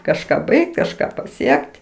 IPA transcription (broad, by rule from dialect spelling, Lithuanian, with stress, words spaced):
kɐʃˈkɑː ˈbɐɪkt kɐʃˈkɑː pɐˈsʲiɛkʲtʲ